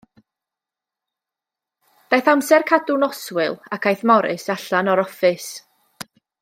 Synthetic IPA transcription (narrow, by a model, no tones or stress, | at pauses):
d̥ajθamsɛrkʰadʊnɔswɪlˠakʰajθmɔɾɨ̰saɬanɔɾɔfɨs